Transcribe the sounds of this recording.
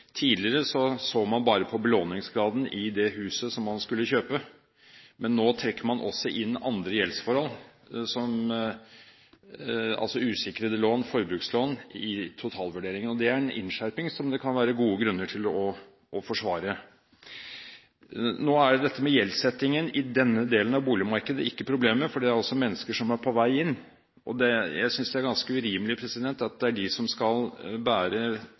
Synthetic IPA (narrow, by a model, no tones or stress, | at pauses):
t̪ʰiːd̪lɪəɾəsɔsoːmɑnbɑːɾəpʰɔbəloːnɪŋsɡɾɑːd̪n̩ɪd̪ɛɦʉːsəsɔmːɑnskʉlːəçøːpə | mɛnːoːt̪ʰɾɛkːəmɑnʔɔ̰sːɔʔɪnːɑnd̪ɾəjɛlsfɔɾhɔl | sɔm | ɑ̰lsɔʉːsɪkːəɾəd̪ɛloːnfɔɾbɾʉːksloːnɪt̪ʰʊt̪ʰɑːlʋʉɖeːɾɪŋənɔd̪ɛæɾɛnʔɪ̰nʂæɾpɪŋsɔmd̪ɛkʰɑnʋæːɾəɡuːəɡɾʉnːəʈʰɪlɔ | ɔfɔʂʋɑːɾə | noːæɖd̪ɛt̪ːəmɛjɛlsɛt̪ːɪŋənɪd̪ɛnːəd̪eːlənɑʋbuːlɪmɑɾkəd̪ə̰ɪkːəpʰɾʊbleːməməfɔɖɛæɾɑlsɔmɛnːəskəʂɔmæɾpʰɔʋæɪɪnː | ʔɔd̪ɛjæ̰ɪsʏnsd̪ɛæɾɡɑnskəʉɾiːməlɪpʰɾɛsɪd̪ɛnt̪ɑt̪̚d̪ɛæɖɪsɔmskɑlbæːɾə